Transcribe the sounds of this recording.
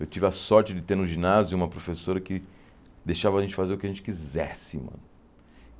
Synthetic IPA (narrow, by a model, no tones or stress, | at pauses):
ewt͡ʃivɪɐsɔɾt͡ʃɪd͡ʒɪt̪eɾʊ̃ʒinazjuũmɐpɾofesoɾɐkɪ | d̪ejʃavɐaʒẽt͡ʃɪ̥fazeɾʊkɪɐʒẽnt͡ʃɪ̥kizɛsɪmɐ̰̃nʊ